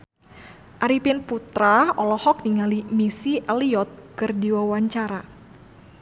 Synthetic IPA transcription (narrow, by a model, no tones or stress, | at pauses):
ʔaɾipɪnput̪ɾaɔlɔhɔk̚niŋalimisiʔɛliɔt̪̚kɨrdiwawaɲt͡ʃaɾa